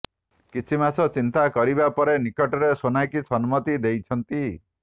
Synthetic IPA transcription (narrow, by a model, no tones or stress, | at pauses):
kit͡ʃʰimasɔt͡ʃint̪akɔɾibapɔɾenikɔʈɔɾesonajkisɔnmɔt̪id̪ejt͡ʃʰɔnt̪i